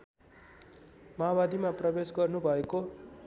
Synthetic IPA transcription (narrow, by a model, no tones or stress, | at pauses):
mabad̪imaprʌbesɡʌrnubʱʌeko